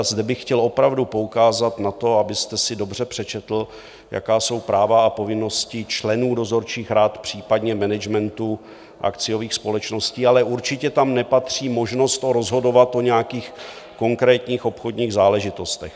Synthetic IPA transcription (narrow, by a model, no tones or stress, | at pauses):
zdɛbɪxxcɛlo̞pɾavdupo̞ukaːzat̪nat̪o̞abɪst̪ɛsɪdo̞br̝ɛpr̝̥ɛt͡ʃɛt̪l̩ | ja̰kaːso̞wpɾaːvaapo̞vɪno̞scɪt͡ʃlɛnuːdo̞zo̞ɾt͡ʃiːxɾaːt̪pr̥iːpadɲɛmɛnɛd͡ʒmɛnt̪u | ʔa̰kt͡sɪjo̞viːxspo̞lɛt͡ʃno̞sciːalɛʔuɾt͡ʃɪcɛt̪amnɛpat̪r̝̥iːmo̞ʒno̞st̪oɾo̞zɦo̞do̞vat̪ʔo̞ɲɛjakiːx | ko̞ŋkɾɛːt̪ɲiːxo̞pxo̞dɲiːɣzaːlɛʒɪt̪o̞st̪ɛx